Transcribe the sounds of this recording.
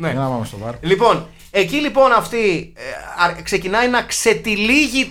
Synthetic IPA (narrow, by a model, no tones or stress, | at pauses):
neɐnɐpɐmest̪ovɐɾlipo̞n | e̞cilipo̞nɐft̪i | ɐkse̞cinɐinɐkse̞t̪iliʝi